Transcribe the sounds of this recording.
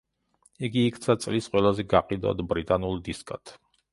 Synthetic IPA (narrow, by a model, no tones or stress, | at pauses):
iɡiːkʰt̪sʰat̪sʼlisqʼwɛlˠazɛɡaqʼid̪ɔ̰d̪bɾit̪ʼanulˠd̪iskʼat̪ʰ